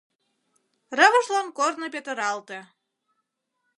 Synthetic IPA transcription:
rəβə̆ʃlɑnkornəp̬ʲet̪ə̆ɾɑlt̪e

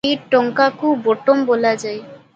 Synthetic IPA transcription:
eʈoŋkakuboʈombolad͡ʑae

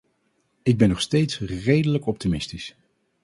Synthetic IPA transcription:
ɪɡ̚bɛnːɔχstejtsrejdələkɔp̚timɪstis

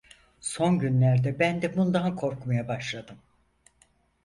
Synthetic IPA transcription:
so̞nɟynlʲæɾd̪ɛbænd̪ɛbund̪aɦkʰo̞ɾkmajabaʃlˠad̪ɯm

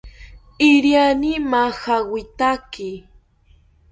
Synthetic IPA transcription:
ɪɾjanimahawɪt̪akɪ

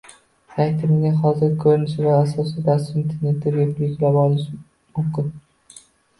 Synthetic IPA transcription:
t̪ʰakʲt̪ʰɪɾɪnɪŋɦɒzɪɾkʲʰɵɾnɪʃɪvaasɒsɪd̪asint̪ʰeɾnet̪ʰːɪbeplɪkʲlabɒlɪʃ | mʊmkʲɪn

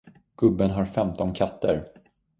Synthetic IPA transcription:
ɡ̥ɵbːənɦaɾfɛmt̪ɔnkʰat̪ʰːəɾ

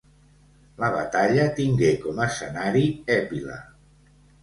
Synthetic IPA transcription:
ləβ̞a̰t̪aʎət̪iŋɡekɔməsə̰naɾiɛpilə̰

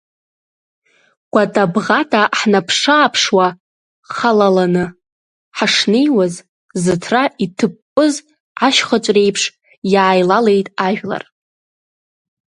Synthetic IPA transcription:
ɡ̥ʷatʼabʁatʰʼaħnapʰʂaːpʰʂwa | χalalanɨ | ħaʂnejwaz | zɨtʰraitʰɨpʼːɨz | ʕaʃχət͡ʃʷʼre̞jpʰʂ | jaːjlale̞jtʼaʒᶣla̰r

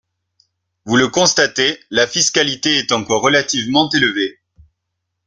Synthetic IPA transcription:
vuləkɔ̃st̪at̪elafiskalit̪eɛt̪ɑ̃kɔʁːəlat̪ivmɑ̃t̪eləve

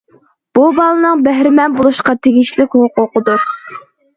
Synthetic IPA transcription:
b̥ubɑlˠɨnɨŋbɛɦɾɪmɛnbolˠuʃqɑt̪ʰeɡʲiʃlɪkʲhoqoqəd̪ʊ

